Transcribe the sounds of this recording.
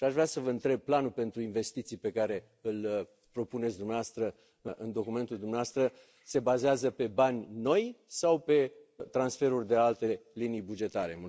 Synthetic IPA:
ʃiaʃvɾeasəvəɨnt̪ɾe̞b̚planulpe̞nt̪ɾuinve̞st̪it̪sijpe̞kaɾe̞ | ɨl | pɾo̞pune̞t̪sʲd̪umneaast̪ɾə | ɨʔɨnd̪o̞kume̞nt̪uld̪umnaast̪ɾə | se̞bazeazəpe̞banʲno̞jsawpe̞t̪ɾansfe̞ɾurʲd̪ealt̪e̞linijbud͡ʒe̞t̪aɾe̞̰mu

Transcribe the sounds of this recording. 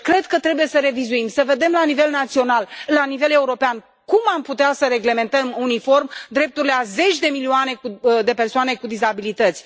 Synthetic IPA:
kɾe̞d̪̚kət̪ɾe̞buje̞səɾe̞vizuimsəve̞d̪e̞mlanive̞lnat̪sio̞nallanive̞le̞uɾo̞pean | kumamput̪easəɾe̞ɡle̞me̞nt̪əmunifo̞rmd̪ɾe̞p̚t̪uɾileaze̞t͡ʃʲd̪e̞milioane̞kud̪e̞pe̞rsoane̞kud̪izabilit̪ət̪sʲ

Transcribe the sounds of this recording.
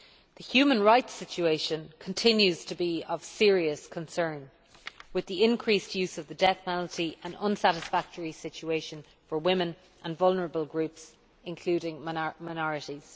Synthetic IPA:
ðəhjʉːmə̃nɹaɪtsɪt͡ʃueɪʃə̃nkʰə̃ntʰɪ̃njʉz̥tʰəbiəv̥sɪəɹiəskʰə̃nsɜ̃˞n | wɪðiɪ̃nkʰɹ̥istjʉːzəvðədɛθmɛnltiʔə̃nʌ̃nsaɾɪsfak̚təɹisɪt͡ʃueɪʃə̃n | fə˞wɪ̃mɪ̃n | ʔə̃nvʌlˠnə˞əbəlˠɡɹʉps | ɪ̃nkʰl̥ʉːɾɪ̃ŋmaɪnɔɹɪɾiz̥

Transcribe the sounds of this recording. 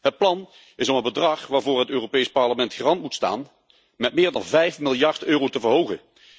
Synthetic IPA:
ɦət̚plɑn | ɪsɔmənbədrɑχʋaːɹvʊːɹɦətøːropejspɑɹləmɛntχərɑntmutsta̰ːn | mɛtmɪːɹdɑnvɛjfmɪlˠjɑɹtøːrowtəvəɹɦowɣə̰

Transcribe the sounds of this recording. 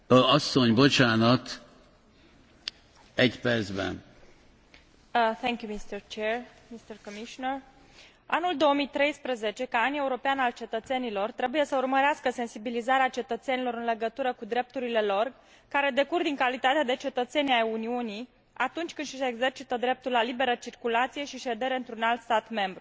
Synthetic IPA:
ɒsːoɲbo̞t͡ʃaːnɒt̪ | ɛɟpɛrd̪zbɛ̰n | θɛŋkjumist̪ərt͡ʃermist̪ərkomiʃonər | anuld̪o̞omijt̪ɾe̞jspɾəze̞t͡ʃe̞kaane̞uɾo̞peanalt͡ʃe̞t̪ət̪se̞nilo̞rt̪ɾe̞buje̞səurməɾeaskəse̞nsibilizaɾeat͡ʃe̞t̪ət̪se̞nilo̞ɾɨnle̞ɡət̪uɾəkud̪ɾe̞p̚t̪uɾile̞lo̞r | kaɾe̞d̪e̞kurd̪iŋkalit̪at̪ead̪e̞t͡ʃe̞t̪ət̪se̞najuniuni | at̪unt͡ʃʲkɨniseɡze̞rt͡ʃit̪əd̪ɾe̞p̚t̪ulalibe̞ɾət͡ʃirkulat̪sije̞ʃiʃe̞d̪e̞ɾe̞ɨnt̪ɾunalt̪st̪at̪me̞mbɾu

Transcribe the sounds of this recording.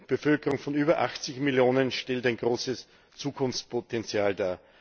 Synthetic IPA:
b̥əfœlkəʁʊŋfɔnyːbɐʔaxt͡sɪçmɪljoːnənʃtɛltaɪnɡ̥ʁoːsəs | t͡suːkʰʊnft͡spʰotɛnt͡sjaːldaː

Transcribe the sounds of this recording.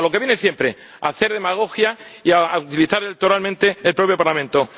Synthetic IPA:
lo̞ke̞βjenesje̞mpɾe̞ | a̰θe̞ɾð̞e̞maɣ̞o̞xjaiaut̪iliθaɾelek̚t̪o̞ɾalmẽnt̪e̞ːlpɾo̞pjopaɾlamẽnt̪o̞

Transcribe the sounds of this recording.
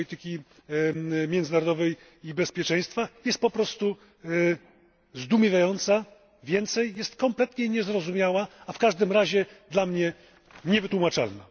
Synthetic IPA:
it̪ɘkʲi | mʲjɛnd̪zɘnaɾɔd̪ɔvɛj | ibɛspʲjɛt͡ʂɛj̃st̪fajɛst̪̚pɔpɾɔst̪u | zd̪umʲivʲajɔnt̪sa | vʲjɛnt̪sɛjːɛst̪kɔmplɛt̪ɲɛɲɛzɾɔzumʲjawaːfkaʐd̪ɘmɾaʑɛd̪lamɲɛ | ɲɛvɘt̪wumat͡ʂa̰lna̰

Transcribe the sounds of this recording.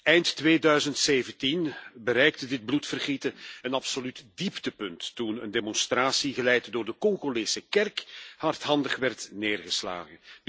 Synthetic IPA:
ɛjntːʋeːdœɥzəntseːvəntinbəɾɛjk̚tədɪd̚blutfərɣitəənɑpsolytdiptəpɵntːunə̰ndemɔnstraːsiɣəlɛjtdoːrdəkɔŋɣoleːsəkɛrkhɑrtɦɑndəχʋɛrtneːrɣəsla̰ːɣən

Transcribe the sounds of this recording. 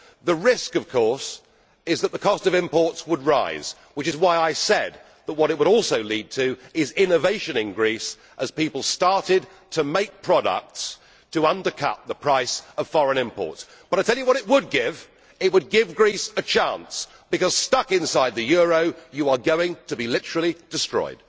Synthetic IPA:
ðəɹɪskʌv̥kʰɔɹs | ɪzðət̪̚ðəkʰɒstʌvɪ̃mpɔɹtswəd̚ɹaɪz̥ | wɨt͡ʃɨzwaɪaɪsɛd̪̚ | ðət̚wʌɾɨt̚wəɾɔlˠsoʊlid̚tʰɨɪzɪ̃nɨveɪʃɨ̃nɨ̃nɡɹis | ʔɨz̥pipl̩ˠstɑɹɾɪd̚ | tʰɨmeɪk̚pʰɹ̥ɑɾə̰k̚ts | tʰəʌ̃ndə˞kʰʌ̰t̪̚ðəpʰɹ̥aɪsʌv̥fɑɹɨ̃nɪ̃mpɔ̰ɹts | b̥ʌɾaɪtʰɛlˠjɨwʌɾɨʔ̚wəd̚ɡɪv | ɪt̚wəd̚ɡɪvɡɹisɨt͡ʃʰæ̃ns | b̥ɨkʌz̥stʌkɨ̃nsaɪd̪̚ðɨjʊɹoʊjɨə˞ɡoʊɪ̃ŋtʰɨbilɪɾə˞l̩ˠid̥ɨstɹ̥ɔ̰ɪd̥̚

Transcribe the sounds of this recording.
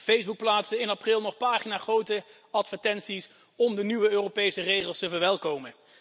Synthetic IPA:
fejzbuk̚plaːtsənɪnɑprɪlˠnɔχpaːχinaːχrowtə | ɑtfəɹtɛnsis | ɔmdənyʋəøːropejsərejχəlˠstəvəɹʋɛlˠkowmən

